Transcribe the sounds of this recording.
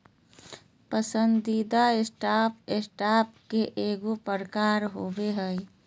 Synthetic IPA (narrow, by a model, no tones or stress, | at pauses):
pəsənd̪id̪aɪsʈaːpɪsʈaːp̚keʔeːɡopəɾəkaːɾɦoːbeɦɛi